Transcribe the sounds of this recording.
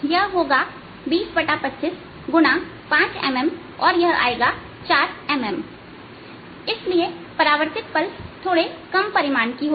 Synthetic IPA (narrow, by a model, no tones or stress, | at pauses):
jɐɦɦoːɡa | biːsbɐʈapɐtːʃɪs | ɡʊna | pãːt͡ʃɛ̰ːmɛm | ɔːɾjɐɦa̰ːeːɡa | t͡ʃaːɾɛːmɛm | ɪsliepɐɾaːʋəɾt̪ɪt̪̚pɐlst̪ʰoːɽekɐmpɐɾɪmaːnkiɦoː